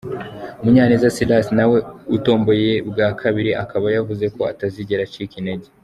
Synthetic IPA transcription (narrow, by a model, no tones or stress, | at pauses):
muɲaːnizasilasnawe̞uto̞ːmbo̞je̞bɡaːkʰaβiɾiʔakaβajavuze̞ko̞ataziɟeɾat͡ʃikineɟe